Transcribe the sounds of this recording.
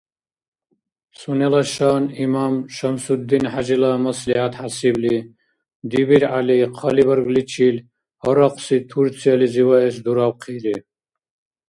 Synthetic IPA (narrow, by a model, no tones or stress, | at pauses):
sunɛlaʃanimamʃəmsud̪ːinħad͡ʒilamɐslihat̪ʰhasibli | d̪ibiɾʕaliqʰɔlibəɾɡlit͡ʃʰil | hɔɾɔqsit̪ʰuɾt͡sʰializiwaɛsd̪uɾawqʰiɾi